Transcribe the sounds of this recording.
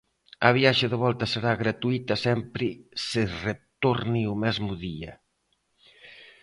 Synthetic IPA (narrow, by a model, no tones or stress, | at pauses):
ɐβ̞jaʃeðeβ̞ɔlt̪ɐseɾaɣɾat̪uit̪ɐsɛmpɾɪseret̪oɾniumɛzmuðiɐ̰